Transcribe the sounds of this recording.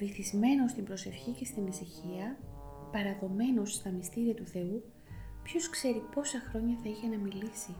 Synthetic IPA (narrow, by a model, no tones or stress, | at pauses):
viθizme̞no̞st̪imbɾo̞se̞fçice̞st̪inesiçiɐ | pɐɾɐɣo̞me̞no̞sːt̪ɐmist̪iɾiɐt̪uθe̞u | pço̞skse̞ɾipo̞sɐxɾo̞ɲɐθɐiçe̞nɐmilisi